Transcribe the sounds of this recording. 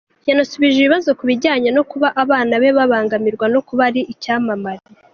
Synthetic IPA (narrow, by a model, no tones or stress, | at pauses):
janasuβiʒeβiβazo̞kuβiɟaːɲano̞kuβaʔaβaːnaβe̞βaβaːŋɡamiɾɡwano̞kuβaɾiʔicaːmamaɾi